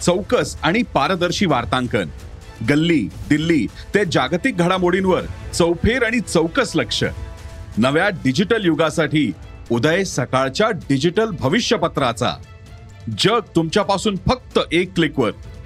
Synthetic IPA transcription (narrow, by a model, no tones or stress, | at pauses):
t͡səwkəsaɽ̃ipaɾəd̪əɾɕiːʋaɾt̪ãŋkə̰n | ɡəlːiːd̪ilːiː | t̪ed͡ʑaɡt̪ik̚ɡʱəɽamoɽinʋəɾt͡səwpʰeɾaɽ̃it͡səwkəsləkʂə̰nəʋjaɖid͡ʑiʈəljuɡasaʈiː | ud̪əjesəkaɭt͡ɕjaɖid͡ʑiʈəlbʱəʋiɕjəpət̪ɾat͡sa̰ | d͡ʑəɡ̚t̪umt͡ɕjapasuːnfək̚t̪əʔekːlikʋəɾ